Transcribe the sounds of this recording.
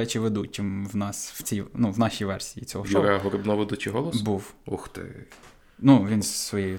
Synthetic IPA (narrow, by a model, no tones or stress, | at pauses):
ɛt͡ʃɪʋed̪ut͡ʃɪmʋnɑsw̥t͡sʲijnuʋnɑʃijʋɛrsʲijit͡sʲɔɦɔʃɾɛɦɔɾɪbnɔʋɪd̪ut͡ʃiɦɔlˠɔssbuwɔxt̪ɪ̰ | nuʋʲinzsʋɔjɛjʊ